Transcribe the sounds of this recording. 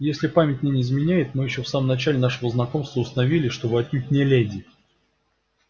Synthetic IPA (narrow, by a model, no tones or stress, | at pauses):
jesʲlʲɪpamʲɪtʲnʲɪnʲɪːzmʲɪnʲæjɪt̪̚mɨjɪɕːofsaməmnɐt͡ɕælʲɪnaʂəvəznɐko̞mst̪vəʊst̪ənɐvʲilʲɪʂt̪o̞bɨɐt̪nʲut̪̚ʲnʲɪlʲedʲɪ